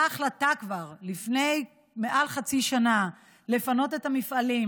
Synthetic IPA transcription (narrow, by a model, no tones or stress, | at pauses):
aχlat̪akvaʁlifne̞j | meʔalχat͡siʃana | le̞fano̞tetamifʔalim